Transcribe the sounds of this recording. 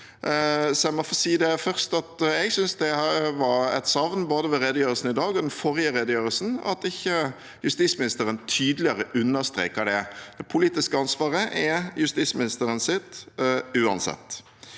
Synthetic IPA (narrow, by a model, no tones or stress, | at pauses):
sɔæmɔfoːsiːd̪ɛfœɾst̪ɑt̪ɛɡsʏnsd̪ɛʋɑɾɛ̰t̪sɑʋnboːd̪əʋɛɾɛd̪əjøːɾəlsn̩ɪd̪ɑːɡɔd̪ɛnfɔɾɪjəɾɛd̪əjøːɾəlsn̩ɑ̰t̪ɪçːə | jʉst̪iːsmɪnɪst̪əɾənt̪ʰyːd̪əlɪəɾəʔʉnːəst̪ɾḛːkəɖ̪ɛd̪̥ɛpʰʊliːt̪ɪskəɑnsʋɑːʁəʔɛjʉst̪iːsmɪnɪst̪əɾənsɪt̪ːʉːɑ̰nsɛ̰t̪ː